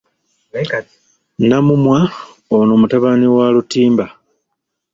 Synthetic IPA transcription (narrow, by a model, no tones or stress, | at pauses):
namumwa | onoːmutaβaniwalutiːmba